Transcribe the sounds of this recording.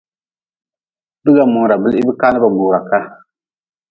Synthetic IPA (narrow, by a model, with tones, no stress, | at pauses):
bɨ˦ɡa˨mʊ˨ŋ˨ɾa˨bɨ˦lɪ˦bɨ˦kaː˦nɨ˦ba˨ɡ͡buː˨ɡa˨ka˦